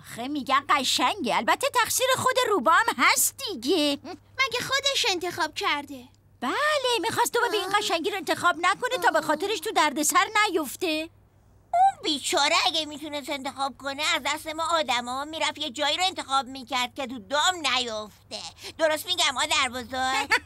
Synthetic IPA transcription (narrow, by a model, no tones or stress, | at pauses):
xemiɟʲænɢæʃæŋɟeælbæt̪ʰːet̪ʰæxsiːɾe̞xod̪e̞ɾuːbɒæmɦæst̪̚d̪iɟe | mæɟʲexod̪eʃe̞nt̪ʰe̞xɒːb̥̚cʰæɾd̪e | b̥æle̞mixɒst̪̚d̪omebeiːnɢæʃæŋɟiːɾoe̞nt̪ʰexɒːbnæko̞net̪ʰɒːbe̞xɒːt̪ʰe̞ɾe̞ʃt̪ʰud̪æɾd̪e̞sæɾnæjoft̪e̞ | unbiːt͡ʃʰɒːɾeæɡemiːt̪unest̪e̞nt̪e̞xɒːb̥̚ko̞neæzd̪æst̪e̞mɒːd̪æmɒːmiːɾæfjed͡ʒɒːjiːɾoent̪ʰe̞xɒːb̚miːcʰæɾd̪̚kʲet̪ʰud̪ɒːmnæjoft̪ed̪̥oɾost̪̚miːɡæmɒːd̪æɾbɒːzɒːɾ